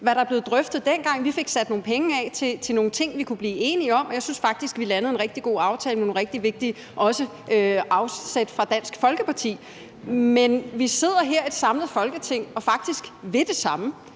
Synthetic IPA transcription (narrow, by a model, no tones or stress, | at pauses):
ʋæɾɑ̈æɐb̥le̝ːð̩ˠd̥ʁœfd̥ð̞̩ˠd̥en̰ɡ̥ɑ̈ŋ̰ʋife̝ɡ̥sæd̥̚no̝ːn̩pʰeŋəɛt͡sʰe̝t͡sʰe̝lno̝ːn̩t͡sʰe̝ŋ̰ʋikʰub̥liːe̝ːniɒ̽m̰ɒ̽jäɪsynsfɑ̈ɡ̥̚d̥isɡ̥ʋilænəð̞̩ˠe̝nʁeɡ̥d̥iɡ̥o̝̰ːɑ̈ʊt͡sʰɛːləmonʁɛɡ̥̚d̥iʋe̝ɡ̥̚d̥i | ʔɒ̽sə | ʔøʔɑ̈ʊsed̥fʁɑ̈d̥æn̰sɡ̥fɒ̽lɡ̥əpʰɑ̈t͡sʰḭː | menʋise̝ð̞̰ˠɐɦeɐ̰e̝d̥sɑ̈mləð̞̩ˠfɒ̽lɡ̥ət͡sʰe̝ŋ̰ɒ̽fɑ̈ɡ̥̚d̥isɡ̥ʋe̝d̥e̝sɑ̈mə